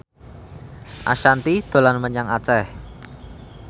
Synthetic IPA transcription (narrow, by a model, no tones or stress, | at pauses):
ʔa̰ʃant̪id̪̥o̤lanməɲaŋat͡ʃɛh